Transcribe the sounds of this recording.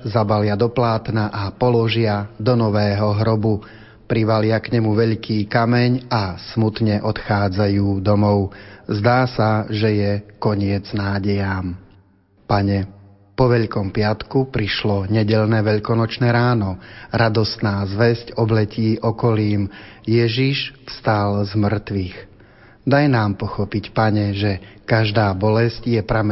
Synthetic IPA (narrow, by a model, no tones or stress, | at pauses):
zabalɪad̪ɔplaːt̪naʔapɔlɔʒɪad̪ɔnɔʋɛːɦɔɦɾɔbu | pɾiʋalɪakɲɛmuʋɛʎkiːkamɛɲasmut̪ɲɛʔɔt̪xaːd͡zajuːd̪ɔmɔʊzd̪aːsaʒɛjɛkɔɲɪɛd͡znaːɟɛjaːm | paɲɛ | pɔʋɛʎkɔmpɪat̪kupɾiʃlɔɲɛɟɛʎnɛʋɛʎkɔnɔt͡ʃnɛːɾaːnɔɾad̪ɔst̪naːzʋɛzcɔblɛciːʔɔkɔliːmjɛʒiʃfst̪alzmr̩t̪ʋix | d̪ajnaːmpɔxɔpicpaɲɛʒɛkaʒd̪aːbɔlɛscjɛpɾam